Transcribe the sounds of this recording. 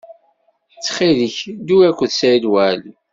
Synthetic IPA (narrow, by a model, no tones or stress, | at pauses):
t͡sːχiðəçd̪uækʷːəðsæilwæl